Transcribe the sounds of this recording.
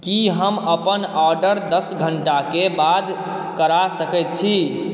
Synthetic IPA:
kiɦəməpənɔɾɖəɾd̪əsɡʱəɳʈakebad̪ | kəɾasəkɛt̪̚t͡ʃʰi

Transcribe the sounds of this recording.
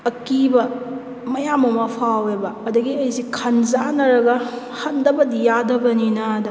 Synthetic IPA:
ɐkibɐ | mɐjamɐmɐpʰawebɐːdɐɡiɐjsikʰɐnzanɐɾɐɡɐ | hɐtdɐbɐd̪ijadɐbɐninɐːdɐ

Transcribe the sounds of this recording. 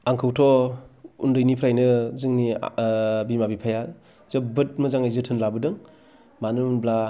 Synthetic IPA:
aŋkʰɯwtʰɔ | undɯjnipʰɾajnɯzɯŋni | bimabipʰaja | zɯbɯt̚mɯzaŋajzɯtʰɯnlabɯdɯŋ | manɯmnbla

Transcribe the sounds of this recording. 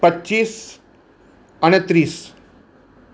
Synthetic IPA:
pətːɕiːs | añet̪ɾiːs

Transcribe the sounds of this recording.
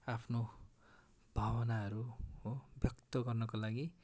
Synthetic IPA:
apʰno | b̥ʱawʌnaɦʌɾuɦobjʌkt̪ʌɡʌrnʌkolaɡi

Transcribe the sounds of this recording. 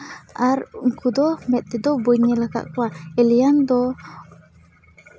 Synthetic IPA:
arŋkʰud̪omɛt̪̚ːed̪oboɲəlaka̰ʔkwaeliand̪o

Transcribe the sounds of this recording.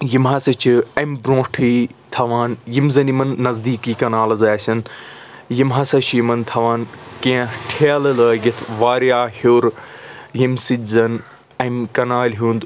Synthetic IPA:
jimɦɐsɐt͡ʃʰiɐmʲbɾõːʈʰit̪ʰɐʋaːnjimzɐnimɐnːɐzd̪iːkiːkɐnaːlɐzaːsʲɐn | jimɦɐsɐt͡ʃʰjimɐnt̪ʰɐʋaːnkẽːʈʰeːlɐlɐjit̪ʰʋaːɾjaːhoːɾjimsid̪ʲzɐn | ɐmkɐnaːlʲɦũːnd̪

